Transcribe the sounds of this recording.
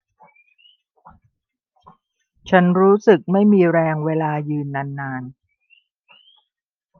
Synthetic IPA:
t͡ɕʰa˦˥nɾuː˦˥sɯ˨˩k̚ma˥˩jmiː˧ɾɛː˧ŋweː˧laː˧jɯː˧nːa˧nːaː˧n

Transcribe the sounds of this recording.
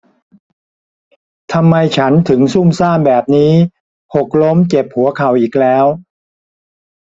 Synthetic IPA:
t̪ʰa˧mːa˧jt͡ɕʰa˦˥nt̪ʰɯ˩˦ŋsu˥˩msaː˥˩mbɛː˨˩p̚niː˦˥ | ho˨˩k̚lo˦˥mt͡ɕe˨˩p̚hu˩˦ɐkʰa˨˩wʔiː˨˩k̚lɛː˦˥w

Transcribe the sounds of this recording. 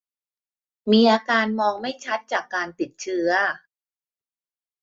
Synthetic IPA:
miː˧ʔaː˧kaː˧nmɔː˧ŋma˥˩jt͡ɕʰa˦˥t̪̚t͡ɕaː˨˩kːaː˧nt̪i˨˩t̪̚t͡ɕʰɯ˦˥ɐ

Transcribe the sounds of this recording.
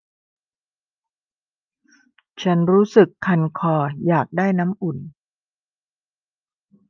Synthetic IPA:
t͡ɕʰa˦˥nɾuː˦˥sɯ˨˩kʰːa˧nkʰɔː˧˩jaː˨˩k̚daː˥˩jna˦˥mʔu˨˩n

